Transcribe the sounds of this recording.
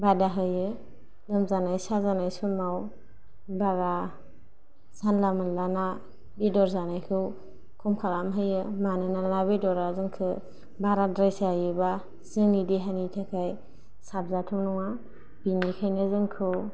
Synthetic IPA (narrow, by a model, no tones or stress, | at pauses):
badaɦɯjɯ | lɯmzanajsazanajsunmaw | baɾa | sanlamɯnlana | bidɔɾzanajkʰɯw | kʰumkʰaɾamɦɯjɯmanɯnanabidɔɾazɯŋkʰɯ | baɾadɾajsajɯba | z̥ɯŋidiɦanitʰakʰaj | sap̚zatʰumnɔŋa | b̥inikʰajnɯzɯŋkʰɯw